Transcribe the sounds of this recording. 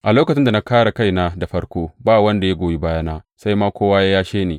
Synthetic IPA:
ʔa˨loː˦kɐ˨t͡ʃɪ˦nda˨na˦kaː˦ɽa˨ka˦jna˦da˨ɸɐ˦ɽkʷoː˦baː˦wɐ˦nda˨ja˦ɡʷoː˨ji˦baː˦ja˦na˦sa˦jmaː˦kʷoː˦waː˦jaː˦jaː˦ʃeː˦neː˨

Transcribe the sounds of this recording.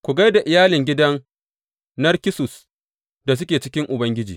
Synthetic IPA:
kʷu˨ɡa˦jda˨ʔɪ˨jaː˦lɪ˨ŋɡʲɪ˦dɐ˦n | nɐ˦rkʲɪ˦sʊ˨s | da˨s̬ʊ˦kʲeː˨t͡ʃɪ˦kʲɪ˦ŋʔʊ˨bɐ˦ŋɡʲɪ˦d͡ʒiː˨

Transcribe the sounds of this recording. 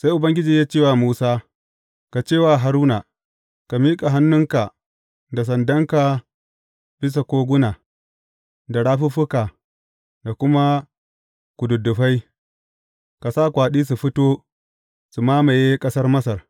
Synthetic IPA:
sa˦jʔʊ˨bɐ˦ŋɡʲɪ˦d͡ʒiː˨jaː˦t͡ʃeː˦˨wa˨muː˦saː˦ | ka˨t͡ʃeː˦˨waː˨ɦa˨ɾuː˦na˨ | ka˨miː˦kʼa˨ɦa˦nːʊ˦ŋka˨ | da˨s̬ɐ˨ndɐ˦ŋka˨ | b̥ɪ˦s̬a˨kʷoː˦ɡʷʊ˦na˨ | da˨ɽaː˦ɸu˦ɸʊ˦ka˨ | da˨kʷʊ˦ma˦ | ku˨dʊ˨dːʊ˨ɸa˦j | ka˨saː˦˨kʷaː˨ɗiː˦s̬u˨ɸʊ˦toː˦ | su˨maː˦ma˨jeː˦kʼɐ˦sɐ˦rmɐ˦sɐ˨r

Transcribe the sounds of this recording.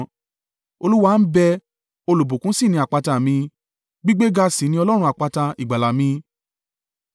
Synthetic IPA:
o˧lu˦wa˦˨n̩˦bɛ˧ | o˧lo˨bo˨kũ˨˦si˦˨nĩ˧a˨k͡pa˧ta˧˨mĩ˧ | ɡ͡bi˦ɡ͡be˦ɡa˧sĩ˨˦nĩ˧˦ɔ˧lɔ˦ɾ̃ũ˧˦a˨k͡pa˧ta˧i˨ɡ͡ba˨la˨mĩ˧

